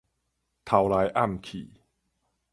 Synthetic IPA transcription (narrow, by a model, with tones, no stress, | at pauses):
t̪ʰa˧wlaː˧jʔa˥˩mkʰiː˨˩˦